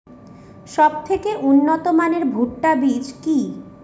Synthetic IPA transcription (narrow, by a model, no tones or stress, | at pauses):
ʃɔb̚t̪ʰekeʔunːot̪omaneɾbʱuʈːabid͡ʑki